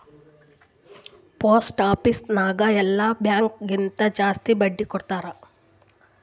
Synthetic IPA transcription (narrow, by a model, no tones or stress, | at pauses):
poːsʈaːpisnaːɡɐɛlːabjaːŋkɡint̪ɐd͡ʒaːst̪ibɐɖːikɔɽt̪aːɾɐ